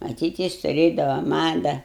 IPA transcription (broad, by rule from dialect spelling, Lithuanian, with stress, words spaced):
mɐˈtʲiːt ˈjɪs tʊˈrʲeːdɐʋɐ ˈmɑːdɐ